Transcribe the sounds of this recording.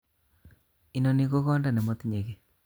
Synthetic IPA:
i˦no˨ni˦ko˦ɣɔ˦nda˨ne˨mo˦t̪i˦ɲe˨ke˨

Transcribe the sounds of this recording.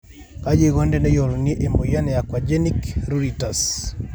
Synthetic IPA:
ka˦d͡ʒe˦ɣɔ˦ndɛ˦nɛ˦jɔ˨lni˦ʔe˨mo˨ja˦nɛ˨ja˨kwa˨d͡ʒe˦nikɾu˦ɾitas

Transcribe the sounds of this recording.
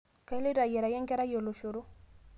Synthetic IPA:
ka˦jle˦ɾa˨jɛ˨ɾa˨jɛ˦ŋkɛ˦ɾa˦jo˨lo˨ʃo˨ɾo˦

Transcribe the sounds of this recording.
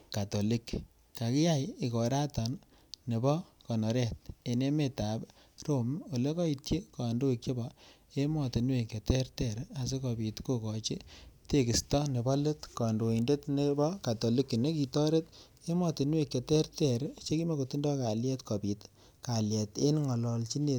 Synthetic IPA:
ka˨to˨li˦k | ka˨ki˦ja˦jɪ˨kɔ˨ɾa˦tɔ˨nː | e˨bɔ˦kɔ˨nɔ˨ɾɛ˦t̚e˨ne˦me˦ta˨b | ro˦˨mo˨le˦kɔ˦i˨tt͡ʃe˦kɔ˨ndo˦ikt͡ʃe˦bɔ˨ | e˦mɔ˨ti˨nwe˨ke˨tɛ˦rtɛ˦˨ɾa˨s̬e˦kɔ˨pi˨tko˦kɔ˨t͡ʃi˦te˦ki˨stɔ˦ne˨bɔ˦le˦tkɔ˨ndo˨i˨nde˦tne˦bɔ˦ka˨to˨li˦kːi˨ne˦ki˨tɔ˦ɾe˦t̚ | e˦mɔ˨ti˨nwe˨kːe˨te˦ɾtɛ˦˨ɾt͡ʃe˦ki˦me˨ko˨ti˦ndɔ˦ka˨ljɛ˦tkɔ˨pi˨t | ka˨ljɛ˨te˦nŋɔ˨lɔ˨lt͡ʃi˦ne˨t

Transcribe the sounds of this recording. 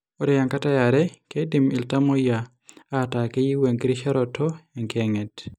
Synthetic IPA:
o˦ɾɛ˨ja˨ŋka˦ta˦ja˨ɾɛ˦ke˦di˨mi˨lta˦mɔ˦ja˨ | a˦˨ta˨ke˦ji˦we˨ŋkɾi˦ʃa˦ɾɔ˨tʰɔ˦ɛ˨ŋkɛ˨ŋɛ˨t

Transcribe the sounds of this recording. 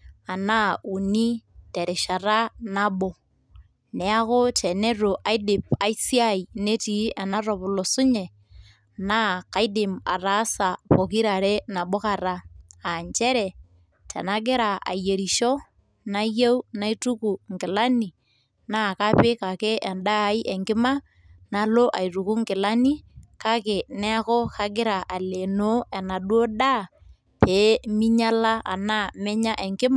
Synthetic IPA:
a˨na˦u˨ni˦te˨ɾɪ˨ʃa˨ra˦na˦bo˨ | nɛ˨a˦kʊ˦tɛ˨ne˦ro˨ʔa˦i˦dɪ˨pa˨i˦si˦a˦jne˦ti˨˦a˨na˦rɔ˨pʊ˨lɔ˨sʊ˦ɲɛ˨ | na˦ka˦i˦dɪ˨ma̰˨ra˨˦sa˨po˨ki˦ɾa˨ɾɛ˦na˨bo˦ka˨ra˦a˨ɲt͡ʃɛ˦ɾɛ˨ | tʰa̰˨na˦ɡɪ˦ɾa˨a̰˨je˨ɾi˨ʃɔ˦ | na˦je˦u˦na˦i˦tu˦ku˨ŋɡɪ˨la˦ni˨ | na˦˨ka˦pe˦ka˨ke˦ʔɛ˨nda˦˨˦i˦ʔɛ˨ŋɡɪ˦ma˦ | na˨˦lo˦ʔa˨i˨ɾu˨ku˦ŋɡɪ˨la˦ni˦ka˦ke˨nɛ˦a˦kɔ˦ka˦ɡɪ˦ɾa˨ʔa˨le˨no˦ɛ˨na˨ɗwo˦da˦˨ | peː˨˦mi˦ɲa˦la˦ʔa̰˨na˦˨mɛ˦ɲa˦ʔɛ˨ŋɡɪ˦m

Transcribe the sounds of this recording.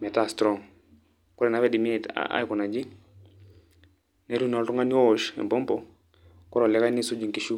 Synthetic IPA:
mɛ˨ta˨stɾɔ˨ŋ | ku˦ɾɛ˨na˦βɛ˦di˨mi˦ɛta̰˦jku˨na˨d͡ʒi˦ | ne˦ɾu˦n˨ɔ˨tu˦ŋa˦ni˦ɔʃɛ̰mbɔ˦mpɔ˨ | kɔ˦ɾo˨lɛ˦ka˦ni˦su˦d͡ʒi˨ŋkiʃu˦

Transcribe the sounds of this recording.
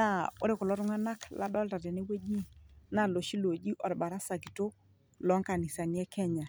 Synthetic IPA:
a˦˨o˦ɾe˦kʊ˨lɔ˦ɾŋa˦na˦kla̰˦dɔ˦lta˨te˨ne˦we˦d͡ʒi˦na˨lo˨ʃi˦lo˨d͡ʒi˦ʔɔ˨ɾba˨ɾa˦sa˨ki˨to˦ | lɔ˨˦ŋka˨ni˨sa˨ni˨ɛ˦kʰɛ˦ɲa˨

